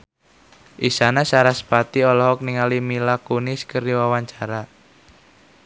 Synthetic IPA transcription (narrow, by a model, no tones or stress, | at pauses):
ʔisanasaɾasə̥pat̪iɔlɔɦɔk̚niŋalimilakunɪskəriwawaɲt͡ʃaɾa